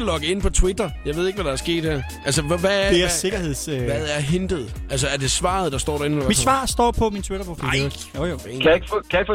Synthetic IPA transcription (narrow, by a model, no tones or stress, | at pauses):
lɒ̽ɡ̥əe̝npʰɒ̽t͡sʰwid̥ɐjɑ̈ɪʋe̝ð̞̰ˠeɡ̥ʋæɾ̥ɑ̈æɐsɡ̥e̝̰ːd̥heɐ | ʔælsəʋæeɐse̝ɡ̥ɐe̝ð̰ˠsʋæðˠæɐɦend̥əð̞̩ˠæls̬əæɐd̥e̝sʋɑ̈ːð̞̩ˠd̥ɑ̈sd̥ɒ̰ːdɾɑɐenmid̥sʋɑ̰̈ːsd̥ɒ̰ːpʰɒ̽mint͡sʰwiɾɐpʰʁofḭl | ookʰæeɡ̥fkʰæeɡ̥f